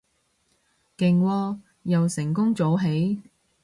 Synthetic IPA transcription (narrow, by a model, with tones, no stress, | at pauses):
kɪ˨˩ŋwɔː˧ | jɐ˨wsɪ˨˩ŋkʊ˥ŋt͡so˨˧˥wɦe˨˥j